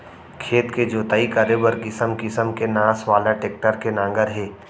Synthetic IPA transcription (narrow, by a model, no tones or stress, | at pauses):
kʰeːt̪ked͡ʒoːt̪aːikəɾebəɾkɪsəmkɪsəmkenãːsʋaːlaʈeːk̚ʈəɾkenãːŋɡəɾɦɛː